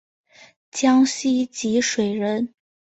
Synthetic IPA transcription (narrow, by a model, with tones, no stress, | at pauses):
t͡ɕjɑ˥ŋɕi˥t͡ɕi˧˥ʂwe˨˩ɪɻə˧˥n